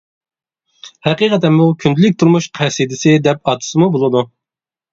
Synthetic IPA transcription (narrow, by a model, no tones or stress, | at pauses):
hæqiqʰɛt̪ɛnmukʲʰynd̪ɪlɪk̚ʲt̪ʰuɾmuʃqʰæsid̪ɪsɪd̪ɛpɑːt̪ʰɨ̥sɨmubolˠɨd̪u